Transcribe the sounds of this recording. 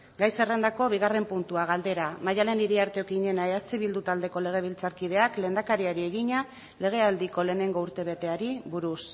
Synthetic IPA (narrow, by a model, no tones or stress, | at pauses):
ɡajse̞re̞nd̪ako̞β̞iɣare̞mpunt̪uaɣ̞ald̪e̞ɾamajale̞niɾiaɾt̪eo̞kiɲe̞naeat͡siβild̪ut̪ald̪e̞ko̞le̞ɣ̞e̞β̞ilt͡saɾkið̞e̞akle̞ːnd̪akaɾiaɾie̞ɣiɲa | le̞ɣ̞e̞ald̪iko̞le̞ːne̞ŋɡo̞uɾt̪e̞β̞e̞t̪e̞aɾiβuɾus